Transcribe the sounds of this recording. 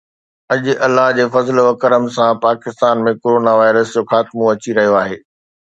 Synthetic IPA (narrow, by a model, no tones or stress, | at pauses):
ɐʄʔɐlːaɦd͡ʑeːfɐzlʋɐkəɾəmsãpaːkɪst̪aːnmẽkoːɾoːnaʋaːɪɾəsd͡ʑoːxaːt̪mõɐt͡ɕiɾɐɦijoaːɦeː